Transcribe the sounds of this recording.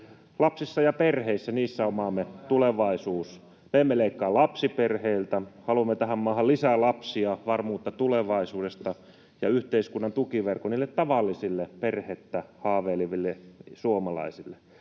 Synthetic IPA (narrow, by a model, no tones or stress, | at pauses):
lɑpsisːɑjɑperheisːæniːsːæomɑːmːet̪uleʋɑisuːs | meːmːeleikːɑːlɑpsiperheilt̪æhɑluɑmːet̪æhæmmɑːhɑllisælɑpsiɑʋɑrmuːt̪ːɑt̪uleʋɑisuːdest̪ɑ | jɑyht̪eiskunːɑnt̪ukiʋerkoniːlːet̪t̪ɑʋɑlːisilːeperhet̪ːæhɑːʋeːliʋilːesuomɑlɑ̰isilːe